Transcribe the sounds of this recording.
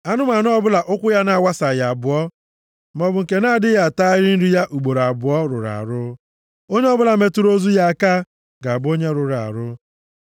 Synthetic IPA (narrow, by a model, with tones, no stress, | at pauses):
a˦nʊ˦ma˨n˦ɔ˦bʊ˦la˨ʔʊ˦kʷʊ˦ja˦na˨a˨wa˦sa˨ja˨bʊ˨ɔ˦ | m˨ɔ˨bʊ˨ŋ̩˨ke˨na˦˨dɪ˦ja˨ta˦ɪ˦ɾɪ˦n̩˦ɾi˦ja˦ʔu˨ɡ͡bo˨ɾa˨bʊ˨ɔ˦ɾʊ̰˨ɾa̰˨ɾʊ˦ | o˦ɲe˦ɔ˦bʊ˦la˨me˨tu˦ɾo˦zu˦ja˦a˨ka˦ | ɡa˨a˨bʊ˦o˦ɲe˦ɾʊ˨ɾa̰˨ɾʊ˦